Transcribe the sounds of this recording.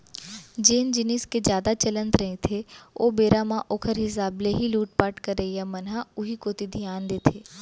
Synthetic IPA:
d͡ʒeːnd͡ʒɪnɪsked͡ʒjaːd̪at͡ʃələ̃nt̪ɾə̃ĩt̪ʰeo̰ːbeːɾamãʔoːkʰəɾɦɪs̬aːbleɦiluːʈ̚paːʈkəɾəjamɐnɦaʊɦikoːt̪id̪ʱijaːnd̪eːt̪ʰeː

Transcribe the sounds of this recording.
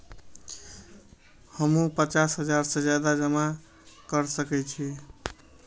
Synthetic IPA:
həmũpət͡ʃasɦəd͡ʒaɾsẽd͡ʒjad̪ad͡ʒəma | kəɾsəkɛt͡ʃʰi

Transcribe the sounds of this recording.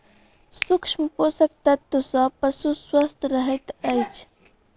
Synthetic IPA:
sʊkʃmʊpʊsak̚t̪at̪ːʊsapasʊswast̪aɾaɦajt̪aajt͡ʃ

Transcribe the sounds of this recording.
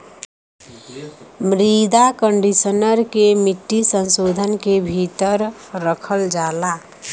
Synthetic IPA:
mɾid̪akəɳɖisənəɾkemiʈːisənsoːd̪ʱənkebʱit̪əɾ | ɾəkʰəld͡ʒaːla

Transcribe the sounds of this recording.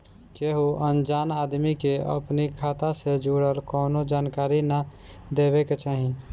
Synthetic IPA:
keɦuʔənd͡ʒaːnaːd̪mikeə̰pnikʰat̪ased͡ʒuɽəlkɔːnod͡ʒaːnkaːɾinə | d̪ebeket͡ʃaːɦĩ

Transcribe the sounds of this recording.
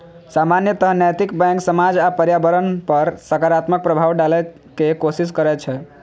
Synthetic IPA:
samanjət̪əɦənɛjt̪ikbɛ̃ŋksəmad͡ʒapəɾjabəɾənpəɾsəkaɾat̪mək̚pɾəbʱawɖalɛ | kekosis̬kəɾɛt͡ʃʰɛ

